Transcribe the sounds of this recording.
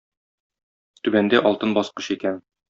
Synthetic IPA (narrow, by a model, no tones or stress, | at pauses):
t̪ʉbænd̪æʔɒlˠt̪ɤnbɒsqɤ̥ɕikæn